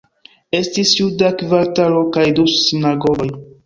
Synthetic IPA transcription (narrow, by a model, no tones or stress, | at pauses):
e̞stisjudakvaɾtalo̞kajdusinaɡoɡoj